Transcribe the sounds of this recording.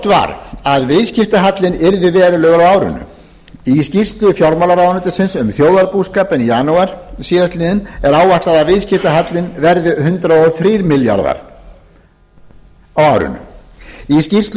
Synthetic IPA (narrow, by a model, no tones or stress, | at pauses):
t̪va̰ɾaðvɪðscɪft̪aɦat̪lɪnɪɾðɪvɛːɾʏlœːɣaɾawaːwɾʏ̰nːʏ̰ | iscir̥st̪lʏfjawɾmalaɾaːwnʏt̪ʏ̥sɪnsʏmθjoːwðaɾpuskaːpɪnjaːnuaɾ̥siːðast̪iːnɪnɛɾaːwvaht̪aðaðvɪðscɪft̪aɦat̪lɪnvɛɾðʏhʏnt̪ɾaɔθɾiːɾmɪlja̰ɾða̰ɾ | awawɾʏ̰nːʏ̰iscir̥st̪l